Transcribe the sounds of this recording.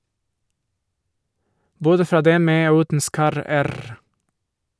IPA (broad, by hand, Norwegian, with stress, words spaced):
ˈboːdə ˈfɾɑː ˈdɛm ˈmeː ˈoː ˈʉːtn̩ ˈskɑɾəˌæɾ